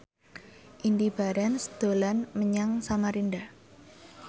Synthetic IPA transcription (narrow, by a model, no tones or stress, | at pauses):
ʔindib̥aɾansd̪̥olanməɲaŋsamaɾinda